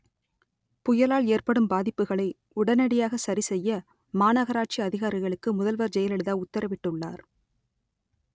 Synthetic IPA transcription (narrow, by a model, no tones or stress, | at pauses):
pʊjɐlaːɭeːrpɐɽɯmbaːðɪpːɯɣɐɭɐɪ | ʊɽɐnɐɽɪjaːɣɐsɐɾisɛjːɐ | maːnɐɣɐɾaːʈ̚t͡ʃiɐðɪɣaːɾɪɣɐɭɯkːɯmʊðɐlʋɐɾd͡ʒɛjɐlɛɽɯðaːʊt̪ːɐɾɐʋɪʈːɯɭːa̰ːɾ